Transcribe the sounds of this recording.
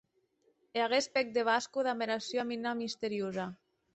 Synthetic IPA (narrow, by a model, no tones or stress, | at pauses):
eaɣespek̚d̪eβ̞askuðameɾasjaminamist̪eɾjoza